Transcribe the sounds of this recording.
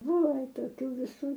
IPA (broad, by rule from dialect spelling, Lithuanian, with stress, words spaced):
ˈbʊʋoː ˈʋɐ toːˈkʲuː ʋʲɪˈsuː